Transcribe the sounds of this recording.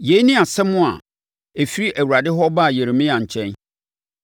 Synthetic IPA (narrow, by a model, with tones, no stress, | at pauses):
je˨˦nɪ̃˦a˨sɛ˦mːʊ̃˦a̰˨ | e˨fi˦ɾi˦ʔæ˨wu˨a˨dɪ˦ɦɔ˦ba˦˨je˨ɾɪ˨mɪ̃˦ã˨ɲ̩˨t͡ɕʰɛ̃˦n